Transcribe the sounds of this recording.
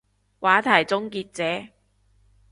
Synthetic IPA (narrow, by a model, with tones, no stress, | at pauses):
wʔaː˨˥t̪ʰɐ˨˩jt͡sʊ˥ŋkiː˧t̚t͡sɛː˨˥